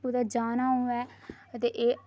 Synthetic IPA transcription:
pud̪ad͡ʒaːnaːɦũːɛː | t̪eːʔeː

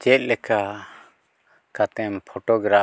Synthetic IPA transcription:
t͡ʃɛt̪̚ˀlɛka | kat̪ɛmpʰɔʈɔɡɾa

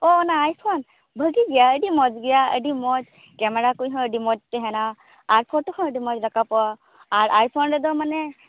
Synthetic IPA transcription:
ɔnaːjsan | bʱəɡiɡijaədimɔd͡ʒɡijaə̰dimɔd͡ʒ | kɛmɛɹakujɦɔəɖimɔd͡ʒ̚tɛɦɛnaː | ɹpʰɔtɔhɔ̃ədimɔd͡ʒɾakapɔaː | ɹʔaɹpʰɔndɛdɔmanɛ

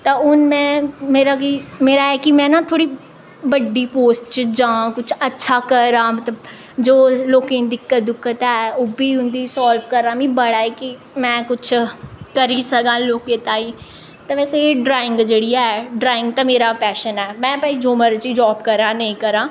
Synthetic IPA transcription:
t̪ãːʊnmɛ̃ːmeːɾaːkiːmeːɾaːɛːkɪmɛ̃ːnaːt̪ʰoːɽiː | bəɖiːpoːsʈt͡ʃd͡ʒãːkʊt͡ʃʰətːʃʰaːkəɾãːmət̪ləb | d͡ʒoːloːkẽːd̪ɪkːəd̪ɪkːət̪ɛːoːbiːʊnd̪iːsɔːlfkəɾãːmĩːbəɽaːiːkɪ | mɛ̃ːkʊt͡ʃʰkəɾiːsəɡãːloːkẽːt̪aːiː | t̪ãːʋɛːseːeːɖɾaːɪ̃ŋɡd͡ʒeːɽijaːɛɖɾaːɪ̃ŋɡ̚t̪ãːmeːɾaːpɛːʃənɛːmɛ̃ːpɛːiːd͡ʒoːməɾt͡ʃiːd͡ʒɔːbkəɾãːnəĩːkəɾãː

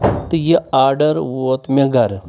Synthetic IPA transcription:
t̪ɨjeaːɾɖɐɾʋoːt̪meɡɐɾ

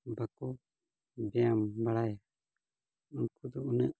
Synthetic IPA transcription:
bakɔ | bɛambaɽaja | unkʰud̪uunaʔ

